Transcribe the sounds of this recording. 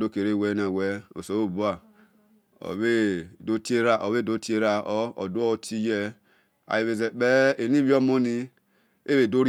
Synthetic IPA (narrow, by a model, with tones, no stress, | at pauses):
do˦˨ke˨ɾe˦˨we˦n˨a˨wɛ˦o̰˨so˨o˦˨bu˦a˨ | o̰˨βe˦˨do˦ti˦e˦ɾa˦˨ʔo˨βe˦˨do˦ti˦e˦ɾa˦o˦o̰˨do˦o˦tʰi˦jɛ˦ | a̰˨je˨βe˨ze˨k͡pɛ˦e˨ni˦βi˦o˦mo˦ni˦ | e˦βe˨do˦ɾ